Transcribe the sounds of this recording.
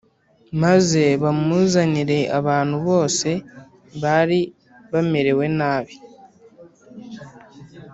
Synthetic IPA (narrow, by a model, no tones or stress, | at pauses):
maze̞βamuzaniɾe̞ʔaβaːn̥huβo̞ːse̞ | βaɾi | βameɾe̞we̞naːβi̥